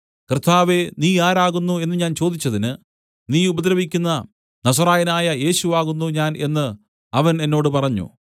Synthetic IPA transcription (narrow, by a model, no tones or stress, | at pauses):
krɨt̪ʰaːʋe̞niːaːɾaːɣunːue̞nːɨɲaːnt͡ɕo̞ːd̪it͡ɕːɐðinɨ | niːubɐd̪ɾɐʋikʲːunːɐ | nɐs̬ɐraːjɐnaːjɐje̞ːɕuʋaːɣunːuɲaːne̞nːɨ | ɐʋɐne̞nːo̞ːɽɨpɐrɐɲːṵ